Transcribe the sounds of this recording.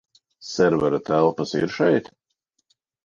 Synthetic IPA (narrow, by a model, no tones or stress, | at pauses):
sɛɾvɛɾat̪ælˠpəsḭɾʃɛjt̪